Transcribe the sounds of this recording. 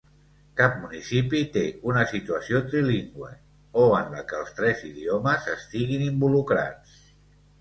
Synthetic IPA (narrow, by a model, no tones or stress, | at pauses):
kap̚munisipit̪eunəsit̪uəsiot̪ɾiliŋɡwḛ | oənləkəlˠst̪ɾɛziðioməzəst̪iɣinimbulukɾa̰t͡s